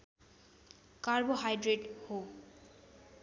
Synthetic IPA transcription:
kaɹboɦajɖɾeʈho

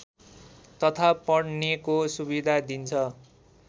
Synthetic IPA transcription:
t̪ʌt̪ʰapʌɽnekosubid̪ʱad̪int͡sʰʌ

